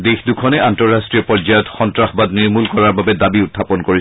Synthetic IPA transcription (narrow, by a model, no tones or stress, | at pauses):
dexdukʰɔnɛantɔɹɹastɹiɔpɔzajɔtxɔntɹaxɔbadniɹmulkɔɹaɹbabɛdabiʊtʰːapɔnkoɹi